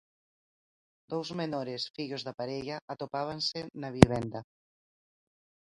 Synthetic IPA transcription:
d̪̥owzmenoɾesfiʎozðapaɾeʎɐʔat̪opaβ̞ansenaβ̞iβɛnd̪ɐ

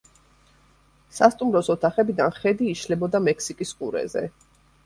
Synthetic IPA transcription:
sast̪ʼumɾɔsɔt̪ʰaχɛbid̪anχɛd̪iːʃlɛbɔd̪amɛkʰsikʼiskʼṵɾɛ̰zɛ̰

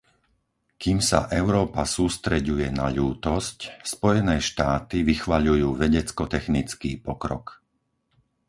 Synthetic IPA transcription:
kiːmsa̰ʔɛʊɾɔːpasuːst̪ɾɛɟujɛnaʎuːt̪ɔscspɔjɛnɛːʃt̪aːt̪iʋixʋaʎujuːʋɛɟɛt͡skɔt̪ɛxnit͡skiːpɔkɾɔ̰k

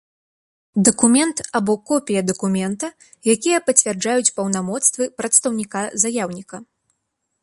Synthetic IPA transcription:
d̪ɐkumʲɛnt̪abɔkːɔpʲijɐd̪ɐkumʲɛnt̪ɐ | jakʲijɐpɐt͡sʲvʲɛrd͡ʐajut͡sʲpɐwnamɔt̪st̪vɨpɾɐt̪st̪ɐwnʲikazajawnʲikɐ

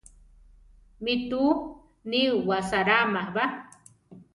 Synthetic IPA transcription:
mit̪u | niuwasaɾamahba

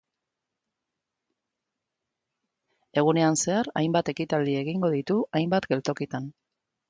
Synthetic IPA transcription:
e̞ɣ̞une̞anse̞aɾa̰jmbat̪e̞kit̪ald̪ie̞ɣiŋɡo̞ð̞it̪uʔajmbat̪ɡe̞lt̪o̞kit̪an

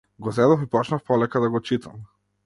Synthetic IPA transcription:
ɡɔzɛd̪ɔfipɔt͡ʃnafpɔlɛkad̪aɡɔt͡ʃit̪ʰa̰m

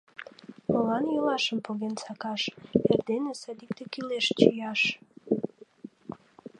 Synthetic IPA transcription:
olɑnjəlɑʃəmpoɣensɑkɑʃerd̪enesɑd̪ikt̪ekyleʃt͡ɕijɑʃ

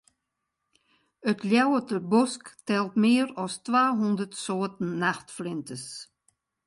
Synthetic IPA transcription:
øt̪ʰljawət̪əbɔsktʰɛlˠt̪meːɾɔstʰʋaːɦund̪ət̪soːt̪n̩ːaxt̪flɪnt̪əs

